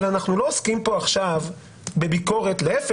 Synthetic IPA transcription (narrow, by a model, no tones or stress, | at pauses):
lanaχnulo̞ːskimpo̞aχʃav | be̞biko̞ʁe̞t̪leef